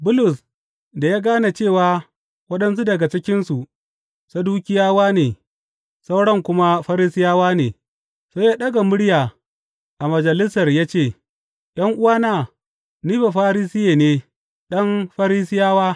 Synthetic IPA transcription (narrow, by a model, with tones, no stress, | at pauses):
bʊ˦lʊ˨s | da˨ja˦ɡaː˦na˨t͡ʃeː˦˨waː˨ | wɐ˦ɗɐ˦ns̬u˦dɐ˨ɡa˨t͡ʃɪ˦kʲɪ˦nsu˨ | sa˦duː˦kʲɪ˦jaː˦waː˦neː˨ | sa˦wɽɐ˦ŋkʷʊ˦ma˦ɸɐ˦ɾiː˦sɪ˦jaː˦waː˦neː˨ | soː˦jaː˦ɗɐ˦ɡa˨mʊ˦ɽjaː˨ | ʔa˨mɐ˨d͡ʒɐ˨lɪ˦sɐ˨rjaː˦t͡ʃeː˦˨ | jʔɐ˦ŋʔʊ˦waː˦naː˦˨ | niː˦ɸa˨ɸaː˦ɾiː˦sɪ˦jeː˨neː˨ | ɗɐ˦mɸɐ˦ɾiː˦sɪ˦jaː˦waː˦